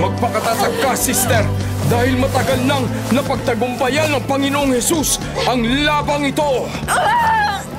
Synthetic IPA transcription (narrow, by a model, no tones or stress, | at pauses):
mɐɡ̚pɐkɐt̪at̪ɐɡ̚kasist̪ɛɾ | d̪aːhɪlmɐt̪ɐɡalnɐŋ | nɐpɐɡ̚t̪ɐɡʊmpɐjanɐŋpɐŋɪnoʔoŋhɛsus | ʔɐŋlaːbɐŋɪt̪o̞